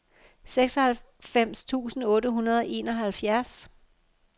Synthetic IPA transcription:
seɡ̥sɒhælfem̰st͡sʰṵːsn̩ɔ̽ːɾəɦunɐð̞ˠɒ̽ʔe̝ːnɒ̽ɦælfjæɐs

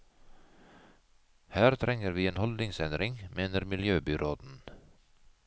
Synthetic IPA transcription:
hæːɾt̪ʰɾɛŋəɾʋiːeːnhɔld̪nɪŋsɛnd̪ɾɪŋmeːnəɾmɪljøːbʏɾʔoːd̪n̩

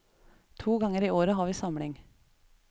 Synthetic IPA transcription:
t̪ʰuːɡɑŋəɾiːoːɾəɦɑːɾʋiːsɑmlɪŋ

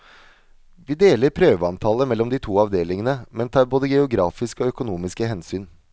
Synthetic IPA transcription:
ʋiːd̪eːləɾpʰɾøːʋəɑnt̪ʰɑːləmɛlːɔmd̪ɪːt̪ʰuːɑʋd̪eːlɪŋənəmɛnt̪ʰɑːɾboːd̪əɡɛʊɡɾɑːfɪskəɔœkʊnuːmɪskəhɛnsyːn

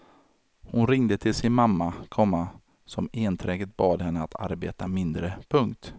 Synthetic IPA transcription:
hʊnɾɪŋd̪ət̪ʰɪlsɪnmamːakʰɔmːa | sɔmeːnt̪ʰɾɛːɡət̪̚bɑːd̪hɛnːəat̪ʰa̰ɾbeːt̪amɪnd̪ɾəpʰɵŋkt̪

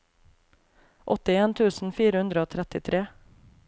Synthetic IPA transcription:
ʔɔt̪ɪeːnt̪ʰʉːsn̩fiːɾəhʉnd̪ɾəoːt̪ʰɾɛt̪ɪt̪ʰɾeː

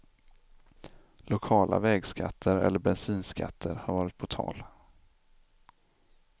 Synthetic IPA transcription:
lʊkʰɑːlʔa̰vɛːɡskat̪ʰːəɾɛ̰lːəɾbɛnsiːnska̰t̪ʰːəɾhaɾvɑːɾɪt̪̚pʰɔt̪ʰɑ̰ːl

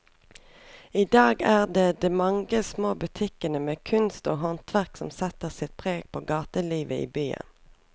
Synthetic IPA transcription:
iːd̪ɑːɡæːʁd̪eːd̪ɛːmɑŋɡəsmoːbʉt̪ʰɪkənəmeːkʰʉnst̪o̰ːɦɔnt̪ʰʋæʁksɔmsɛt̪əʁsɪt̪̚pʰʁeːɡ̚pʰoːɡɑːt̪əliːʋəḭːbyːə̰n

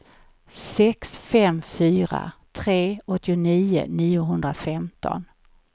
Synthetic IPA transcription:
sɛksfɛmfyːɾa̰t̪ʰɾeːɔt̪ːɪʊniːʊ̰niːʊɦɵnd̪ɾafɛmt̪ʰɔ̰n

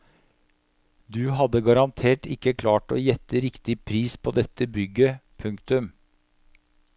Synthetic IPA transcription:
d̪ʉɦɑd̪əɡɑɾɑnt̪ʰeːʈɪkːəkʰlɑːʈo̰ːjɛt̪ːəɾɪkt̪ɪpʰɾiːspʰoːd̪ɛt̪ːəbʏɡːəpʰʉŋkt̪ʉm

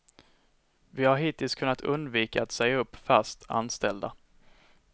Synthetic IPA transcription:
vɪhaɾɦiːt̪ʰɪlskʰɵnːat̪ʰɵ̰nd̪viːkaːt̪sɛjaɵpːfæst̪ʰa̰nst̪ɛld̪a̰

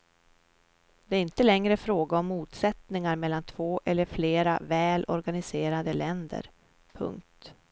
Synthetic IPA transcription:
d̪̥ɛæɾɪnt̪əlɛŋɾəfɾoːɡaɔmːuːt̪sɛt̪nɪŋaɾmɛlːant̪ʰv̥oːʔɛlːəɾfleːɾa̰vɛːlʔɔ̰ɾɡanɪseːɾad̪əlɛnd̪ə̰ɾ | pʰɵ̰ŋk̚t̪

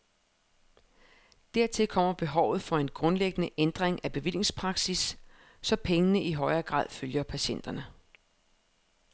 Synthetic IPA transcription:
d̥æɐ̰t͡sʰe̝lkʰɒ̽m̰ɐb̥e̝ɦɒʊ̰ð̩ˠfɒ̽e̝nɡ̥ʁɔ̽nleɡ̥ənəʔend̥ʁeŋʔæb̥e̝ʋil̰je̝ŋspʰʁɑ̈ɡ̥sisː | ɒ̽pʰeŋənəʔiɦɒ̽ɪɐːɡ̥ʁɑ̰̈ðˠføljɐpʰæɕen̰d̥ɐnə

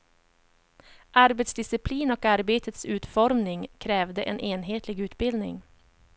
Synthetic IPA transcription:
ʔaɾbɛt̪sd̪ɪsɪpʰliːnɔkaɾbeːt̪ʰət̪sʉ̟ːt̪fɔɾmnɪŋkʰɾɛːvd̪əʔɛnʔeːnɦeːt̪lɪɡʉ̟ːt̪bɪld̪nɪ̰ŋ

